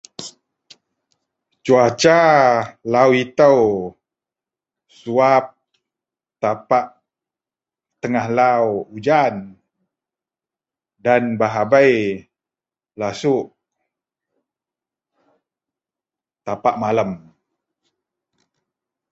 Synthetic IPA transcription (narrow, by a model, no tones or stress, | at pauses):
t͡ʃuat͡ʃalawit̪əw | suap̚ | t̪apaʔ | t̪əŋahlawud͡ʒan | danbaɦabaj | lasuʔ | t̪apaʔmaləm